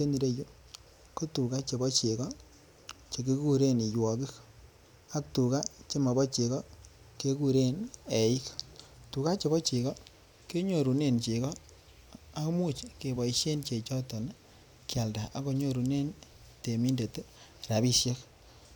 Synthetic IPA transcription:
te˦ni˨ɾe˦ju˦ | ko˦tu˨ka˦t͡ʃe˨bɔ˦t͡ʃe˨kɔ˦ | t͡ʃe˨ke˦ku˦ɾe˦ni˨jwɔ˨ki˦k | a˦k̚tu˨ka˦t͡ʃe˦ma˨bɔ˦t͡ʃe˨kɔ˦ | ke˦ku˨ɾe˦nɛ˨i˦ktu˨ka˦t͡ʃe˨bɔ˦t͡ʃe˨kɔ˦ | ke˦ɲo˨ɾu˨ne˦nt͡ʃe˨kɔ˦ | a˦kmu˦˨t͡ʃke˨bɔ˨i˨ʃje˦nt͡ʃe˨t͡ʃɔ˦tɔ˨n˦ | kja˨lda˨ʔa˦ko˨ɲo˦ɾu˨ne˦n | te˨mi˦nde˨t | ɾa˨bi˦sje˦k

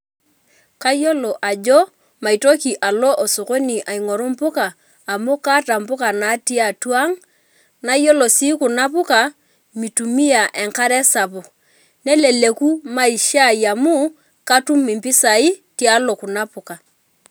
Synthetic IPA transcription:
ka˦jɔ˦lɔ˨ʔa˨d͡ʒɔ˦ | ma˨i˨tɔ˦ki˨ʔa˨lɔ˦ʔɔ˨su˨ko˦ni˨ʔa˨i˨ŋɔ˨ɾu˦m̩˦pʊ˦kaː˨ | mu˦ka˦ta˨m̩˨pʊ˦ka˨na˨˦ti˦a˨twa˦ŋ | na˨˦ijɔ˦lɔ˨si˦ku˨na˦pu˦ka˨ | mi˨tu˨mi˦a˨ʔɛ˨ŋka˦ɾɛ˦sa˨pɔ˨ | nɛ˦lɛ˨le˨ku˦ma˦i˨ʃa˦˨i˨a˨mu˦ | ka˦tu˦mi˨mpi˦sa˨i˦ti˦a˦lɔ˨ku˨na˦pu˨ka˨

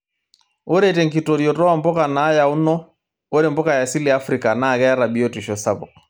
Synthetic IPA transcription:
o˦ɾe˦te˨ŋki˨to˨ɾjɔ˨tɔ˦wa˦mbɔ˦ka˨na˨˦ja˨u˦nɔ˦ | o˦ɾe˨mbɔ˦ka˨ja˨si˦li˨a˦fɾi˨ka˨na˦˨kɛ˦a˦ɾa˨bi˨o˦tu˨ʃɔ˨sa˦bɔ̰˨k

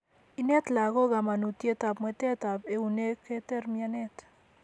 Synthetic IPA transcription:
i˨ne˦t̪la˨ɣo˦ɣa˨ma˨nu˨tje˦ta˨pmwɛ˨te˦ta˨pe˨u˨ne˦ke˦tɛ˦rmia˦nɛ˦t

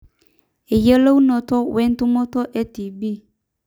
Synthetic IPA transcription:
e˨je˦lo˦u˦nɔ̃˨tɔ˦wɛ˦n˦tʊ˦mɔ˦tɔ˦ʔɛ˦ti˨bi˦˨

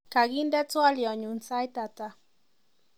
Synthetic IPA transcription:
ka˨ɣind̪e˦t͡sua˦liɔ˨ɲu˨nt͡sa˦jt̪at̪a

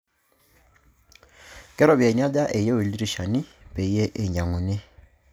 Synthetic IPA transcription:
kɛ˦ɾɔ˨βja˨ɲa˦da˦ʔe˨je˦wu˨li˦ɾi˦˨ʃa˨ni˦pe˨˦je˦ʔe˨ɲa˨ŋu˨ne˦

